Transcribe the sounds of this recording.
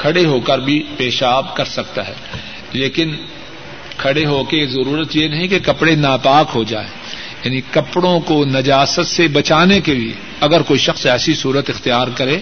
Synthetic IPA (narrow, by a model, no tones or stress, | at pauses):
kʰɐɽeɦokəɾbʱipeːʃaːbkɐɾsɐk̚t̪aɦɛ̰ː | leːkɪn | kʰɐɽeɦokezɐɾuːɾət̪jenɐɦĩkekɐpɽenaːpaːkɦod͡ʒa̰ːḛ̃ː | jaːnikɐpɽõkonɐd͡ʒaːsət̪sebɐt͡ʃaːnekebʱiḛ | ɐɡəɾkoːiʃɐxsɛːsisuːɾət̪ɪxt̪ijaːɾkɐɾẽː